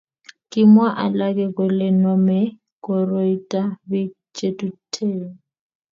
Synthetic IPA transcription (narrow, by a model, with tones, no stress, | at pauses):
kʼɪmwa˦ʔa˨la˦kʼɛ˦kʼʊ˨lɪ˨nɔmɛ˦ | kʼɔ˨roi˦tʼa˦bɪ˦ | t͡ʃʼe˦tʼutʰeː˨ŋ̩